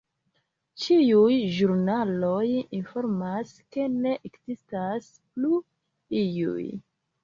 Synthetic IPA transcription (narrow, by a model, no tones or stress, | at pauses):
t͡ʃiujʒuɾnalo̞jinfo̞ɾmaske̞neʔekzistas | plu | ijṵj